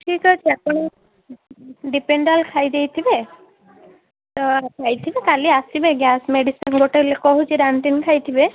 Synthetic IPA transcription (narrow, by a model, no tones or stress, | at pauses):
ʈʰikɦɔt͡ʃʰiapɔɽ̃ɔ | ɖipeɳɖalkʰajd̪ejt̪ʰibe | t̪ɔkʰajt̪ʰibekaliasibeɡjasmeɖisɔnɡoʈelekɔɦut͡ʃʰiɾaɳʈinkʰajt̪ʰibe